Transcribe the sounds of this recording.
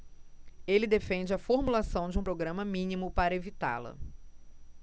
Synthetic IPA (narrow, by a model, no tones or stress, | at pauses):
elɪd̪efẽnd͡ʒɪɐfoɾmulasɐ̃w̃d͡ʒɪũpɾoɡɾɐ̃mɐmĩnimʊpaɾɐevit̪a̰lɐ̰